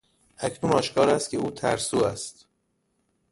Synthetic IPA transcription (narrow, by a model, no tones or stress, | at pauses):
ʔæcnunɒːʃkʰɒːɾæst̪cʲʰeuːt̪ʰæ̰ɾsuːæst̪